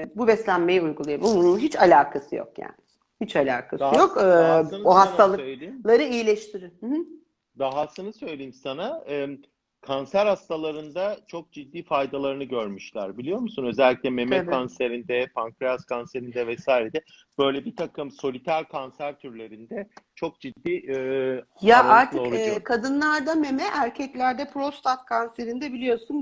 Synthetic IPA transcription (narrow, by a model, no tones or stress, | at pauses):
bubɛslʲænme̞jiujɡulˠajabunununɦit͡ʃalʲaːkʰasɯjo̰kja̰ːnɪ | hit͡ʃalʲaːkʰasɯjo̞k̪ː | oɦastt̪ʰalˠɯøjlʲeimlˠaɾɯijilʲeʃt̪ʰiɾɪhɯhɯ | d̪aɦasɯnɯsø̞jlʲejimsanaɯːm | kʰansæɾhast̪ʰalˠaɾɯnd̪at͡ʃʰo̞k̚d͡ʒid̪ːiːfajd̪alˠaɾɯnɯɟøɾmyʃlʲæɾbilʲijo̞ɾmusunø̞zɛlʲːiclʲɛmemɛkʰanseɾind̪ɛpʰaŋkɾaskʰanseɾind̪ɛvɛsaːjɾed̪ɛ | b̥ø̞jlʲɛbit̪ʰakɯmso̞lʲit̪ʰæɾkʰansæɾt̪ʰyɾlʲe̞ɾind̪ɛt͡ʃʰo̞k̚d͡ʒid̪ːiːʔ | jaʔaɾt̪ʰɯoɾkʰad̪ɯnlˠaɾd̪ame̞mɛʔæɾcʰɛclʲæɾd̪ɛpʰɾost̪at̪kʰanse̞ɾind̪ɛbilʲijo̞sun